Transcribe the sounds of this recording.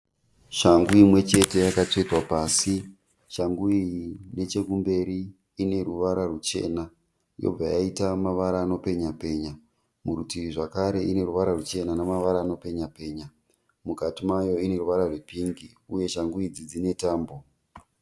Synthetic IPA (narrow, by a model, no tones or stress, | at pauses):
ʃaŋɡuimwe̞t͡ʃe̞te̞jakat͡ʂed͡zwapaːsi | ʃaŋɡuiine̞t͡ʃe̞kumbe̞ɾiː | ne̞ruʋaɾarut͡ʃe̞̰na | jo̰b͡vajaitamaʋaɾaːno̞pe̞ɲape̞ːɲa | muɾutiriʐakaɾe̞ʔine̞ɾuʋaɾarut͡ʃe̞nanamaʋaɾaːno̞pe̞ɲape̞ːɲa | mukatimajo̞ine̞ruʋaɾarwepiŋɡi | uje̞ʃaŋɡuid͡zid͡zine̞taːmbo̞